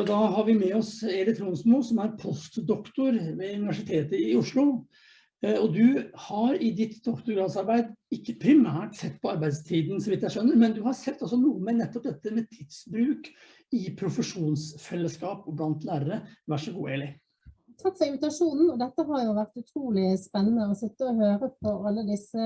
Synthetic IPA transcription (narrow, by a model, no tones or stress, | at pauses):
ɔd̪ɑɦɑɾʋɪmɛɔseːlɪkt̪ʰɾuːnsmuːsɔmæɾpʰɔst̪d̪ɔkt̪ʊɾʋɛʉnɪʋæʂɪt̪ʰeːt̪əɪʊʂɭʊ | ɔd̪ʉhɑɾɪd̪ɪt̪d̪ɔkt̪ʊɾɡɾɑsɑɾbæɪd̪ɪkːəpʰɾɪmæːʈsɛt̪ːpʰɔɑɾbæɪd̪st̪ʰiːd̪n̩sɔʋɪt̪ːjæɪʃœnːəɾmɛnd̪ʉhɑɾsɛt̪ːɔsɔnuːəmɛnɛt̪ːɔp̚d̪ɛt̪ːəmɛt̪ʰɪd̪sbɾʉːk | ɪpʰɾʊfəʂuːnsfɛlːəskɑːpɔblɑnt̪læːɾəɾəʋæʂɔɡṵːeːlɪ | t̪ʰɾɑt̪sɛɪnʋɪt̪ɑʂuːnn̩ɔd̪ɛt̪ːəɦɑɾjʊʋæʁt̪ʉt̪ʰɾuːlɪspɛnːənəɔsɪt̪ːəɔhøːɾəpʰɔɑlːəd̪ɪsə